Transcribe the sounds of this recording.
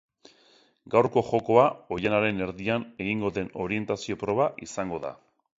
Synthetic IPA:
ɡawɾko̞xo̞ko̞ao̞janaɾe̞ne̞ɾðiane̞ɣiŋɡo̞ðe̞no̞ɾie̞nt̪asio̞pɾo̞β̞aʔisaŋɡo̞ða̰

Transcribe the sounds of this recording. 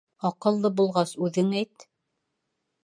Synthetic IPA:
ɑqɤ̆lˠːɤbulˠʁɑsʉðɘŋæjt̪

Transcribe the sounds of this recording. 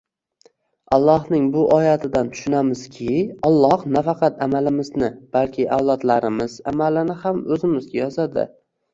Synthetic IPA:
ɑlˠːɒhnɪŋbʊʔɒjat̪ʰɪd̪ant̪ʰʊ̥ʃʊnamɪz̥kʲʰɪɒlˠːɒhnafɑqʰɑt̪amalɪmɪznɪb̥alkʲʰɪʔawlˠɒt̪laɾɪmɪz̥a̰malɪnɪhamɵzɪmɪzɡʲajɒzad̪ɪ̰

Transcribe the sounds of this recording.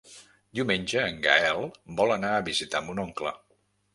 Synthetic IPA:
d̪iumenʲd͡ʒəːŋɡa̰ɛlˠbɔlˠənaəβizit̪ambunɔŋklə̰

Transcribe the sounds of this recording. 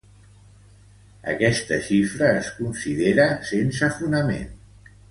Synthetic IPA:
ə̰kɛst̪əʃifɾəːskunsiðeɾəsensəfunəmḛn

